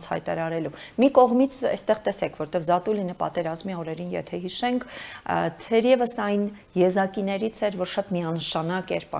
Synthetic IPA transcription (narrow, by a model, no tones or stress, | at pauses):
t͡sʰhɑ̰jt̪ɑ̰ɾɑɾɛlumikɔʁmit͡sʰɛ̰st̪ɛʁt̪ɛsɛkʰvɔɾt̪ɛvzɑt̪ulinəpɑ̰t̪ɛɾɑzmiɔɾɛɾinjɛ̰t̪ʰɛɦiʃɛŋkʰt̪ʰɛɾjɛvəsɑjn | jɛzɑkinɛɾit͡sʰɛɾvɔɾʃɑt̪miɑnəʃɑnɑkɛɾpɑ̰